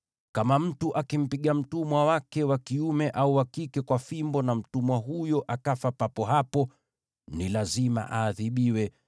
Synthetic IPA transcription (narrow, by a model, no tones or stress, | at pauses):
kamam̩tuʔakim̩piɠam̩tumwawakɛwakiumɛʔauwakikɛkwafimbɔnam̩tumwaɦujɔʔakafapapɔɦapɔ | nilazima̰ʔaːðiɓiwɛ